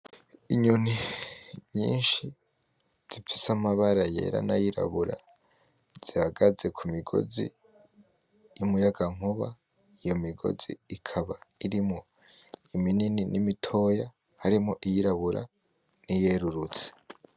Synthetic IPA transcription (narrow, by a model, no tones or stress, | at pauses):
iɲun̥i | ɲḭːnʃi | z̥ifisamaβaɾaje̞̰ɾa̰najiɾa̰βuɾa̰ | z̥ihaɡaze̞kʰumiɡo̞̰zḭ | jumujaɡaŋ̥uβa | ijo̞miɡo̰zḭːkʰaβaiɾimŋo | iminininimitʰo̞ja | haɾimoʔijiɾaβuɾʔa̰ | nije̞ɾuɾut͡se̥